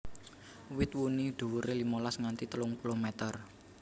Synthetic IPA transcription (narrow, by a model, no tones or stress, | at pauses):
wɪt̪̚wunid̪̥o̤wuɾelimolasŋant̪it̪əlʊŋpulomɛt̪ər